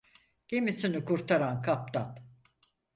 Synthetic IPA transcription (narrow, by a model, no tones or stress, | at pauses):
ɟ̥emisinikuɾt̪ʰaɾankʰap̚t̪ʰat̪